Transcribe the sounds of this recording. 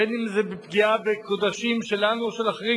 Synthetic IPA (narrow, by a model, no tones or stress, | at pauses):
enimzebepɡiabekod̪aʃimʃe̞lanuoʃelaχeʁi